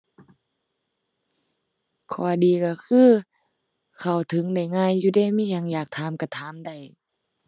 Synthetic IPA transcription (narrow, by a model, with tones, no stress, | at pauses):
kʰɔː˧˩diː˨˦ka˧˩kʰɯː˧˥˨ | kʰa˧˨˩wt̪ʰɯ˨˦ŋda˧˩jŋaː˧˥˨jːuː˧daː˧˥˨miː˧˥˨ɲa˧˨ŋjaː˨˩k̚t̪ʰaː˨˧˦mka˧˩t̪ʰaː˨˦mda˧˩j